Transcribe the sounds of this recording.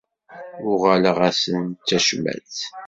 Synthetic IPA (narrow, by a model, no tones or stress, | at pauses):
ʊʁæləʁæsənt͡sːæʃmæ̰t͡s